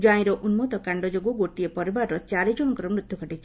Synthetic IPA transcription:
d͡ʒaĩɾɔʔunmɔt̪ɔkaɳɖɔd͡ʒoɡuɡoʈiepɔɾibaɾɾɔt͡ʃaɾid͡ʒɔnɔkɔɾɔmɾut̪juɡʰʱɔʈit͡ʃʰi

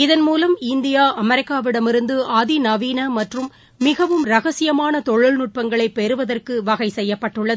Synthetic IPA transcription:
ɪðɐnmuːlɐmɪnd̪ɪjaːʔɐmɛɾɪkːaːʋɪɽɐmɪɾɯnd̪ɯʔaːðinɐʋiːnɐmɐʈrɯmː | ɪɣɐʋɯmɾɐɣɐsɪjɐmaːnɐt̪ɔɻɯɭnʊʈ̚pɐŋɡɐɭɐɪpːɛɾɯʋɐðɐrkɯʋɐɣɐɪsɛjːɐpːɐʈːɯɭːɐðɯ

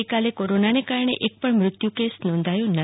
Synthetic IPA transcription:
jkalekoɾonanekaɾɳḛʔek̚pəɳmɾʊt̪jukesnɔ̃nd̪ʱajũnə

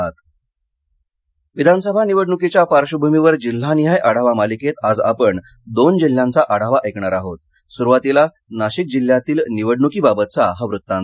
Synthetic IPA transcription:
t̪ | ʋid̪ʱansəbʱaniʋəɽɳukit͡ɕjafaɾɕəbʱumiʋəɾd͡ʑil̤ːaniɦajʔaɽ̤aʋamaliket̪ad͡zapəɳ | d̪ond͡ʑil̤ːjant͡saʔaɽ̤aʋaʔekɳaɾaɦot̪ | suɾʋat̪ila | naɕik̚d͡ʑil̤ːjat̪iːlniʋəɽɳukiːbabət̪t͡saɦaʋɾut̪ːãn

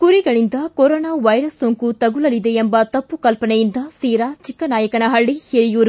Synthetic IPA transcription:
kuɾiɡɐɭind̪ɐkoɾɔːnaːʋɐjɾɐsːoŋkut̪ɐɡulɐlid̪eembɐt̪ɐpːukɐlpɐɳɛjind̪ɐsiːɾaːt͡ʃikːɐnaːjɐkɐɳɐɦɐɭːiheɾijoːɾu

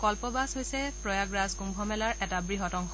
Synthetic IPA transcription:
kɔlpɔbasɦojsɛpɹɔjaɡɹazkumbʱɔmɛlaɹʔɛtabɹiɦɔtɔŋx

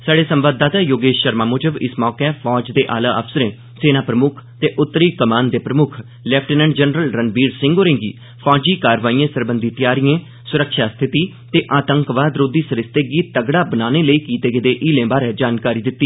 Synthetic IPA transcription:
saːɖeːsəmʋaːd̪aːt̪aːjoːɡeːʃʃəɾmaːmoːd͡ʒəbɪ̰smɔːkɛːpʰɔːd͡ʒd̪eːʔa̰ːlaːʔəfsəɾẽː | seːnaːpɾəmʊkʰt̪eːʔʊt̪ːɾiːkəmaːnd̪eːpɾəmʊkʰ | lɛːpʰʈɛːnɛ̃ːɳɖd͡ʒənɾəlɾənbiːɾsɪ̃ŋɡɦoːɾẽːŋɡḭː | pʰɔːd͡ʒiːkaːɾʋaːiːẽːsəɾbənd̪iːt̪ɪjaːɾiːẽː | sʊɾəkʃaːst̪ʰɪt̪iː | t̪eːʔaːt̪əŋkʋaːd̪ɾoːd̪iːsəɾɪst̪eːɡiːəɡɽaːbənaːneːləiːkiːt̪eːɡɪd̪eːʔiːlẽːbaːɾɛːd͡ʒaːnkaːɾiːd̪ɪt̪ːiː

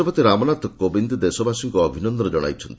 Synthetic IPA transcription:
ɔpɔt̪iɾamɔnat̪ɔkobind̪d̪esɔbʱasiŋkɔːbʱinɔnd̪ɔɾd͡ʒɔɽ̃a̰jt͡ʃʰɔnt̪i

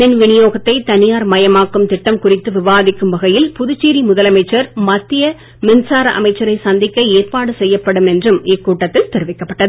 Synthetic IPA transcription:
ðɪnʋɪɳɪjoːɣɐt̪ːɐɪt̪ɐnɪjaːɾmɐjɐmaːkːɯmt̪ɪʈːɐmkʊrɪt̪ːɯʋɪʋaːðɪkːɯmʋɐɣɐjɪlpʊðʊt͡ʃːiːɾimʊðɐlɐmɐɪt͡ʃːɐɾmɐt̪ːɪjɐ | mɪnsaːɾɐʔɐ̰mɐɪt͡ʃːɐɾɐɪsɐnd̪ɪkːɐeːrpaːɽɯsɛjːɐpːɐɽɯmɛndrɯmɪkːuːʈːɐt̪ːɪlt̪ɪɾɯʋɪkːɐpːɐʈːɐðɯ

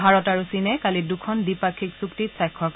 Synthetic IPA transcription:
bʱaɹɔtaɹusinɛkalidukʰɔndipakʰiksuktitsajkʰːɔk

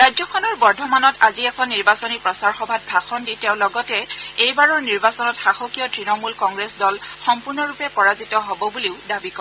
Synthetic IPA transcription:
ɹajzɔkʰɔnɔɹbɔɹdʱɔmanɔtaziɛkʰɔnːiɹbasɔnipɹɔsaɹxɔbʱat̚bʱaxɔnditẽʊ̃lɔɡɔtɛejbaɹɔɹniɹbasɔnɔtxaxokijɔtɹinɔmulkɔŋɡɹesdɔlxɔmpuɹnɔɹupɛpɔɹazitɔɦobɔbuleʊdabikɔɹɛ

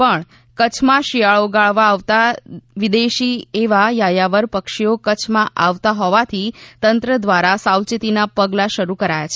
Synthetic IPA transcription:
pəɳ | kət͡ʃʰmãʃijaɭoɡaɭʋaːʋt̪aʋid̪eʃieʋajajaʋəɾpəkʃiokət͡ʃʰmãʔaʋt̪aɦɔʋat̪ʰit̪ənt̪ɾəd̪ʋaɾasawt͡ʃit̪inapəɡlaʃəɾukəɾajat͡ʃʰe

